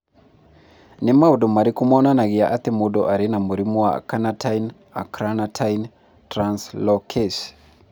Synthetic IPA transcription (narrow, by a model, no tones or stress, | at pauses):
nɪmaodomaɾɪkumɔnanaɡɪaʔat̪emodɔʔaɾenamoɾimoa̰kanatʰain | a̰kɾanatʰain | tɾanslɔkʰes